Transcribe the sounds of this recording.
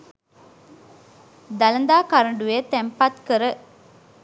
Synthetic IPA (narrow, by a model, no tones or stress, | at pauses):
d̪alənd̪aːkaɾəɳɖujet̪æmpat̪kəɾə